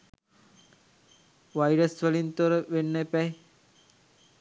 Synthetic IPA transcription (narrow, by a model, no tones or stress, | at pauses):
ʋajɾəsʋəlint̪oɾəʋenːəpɛj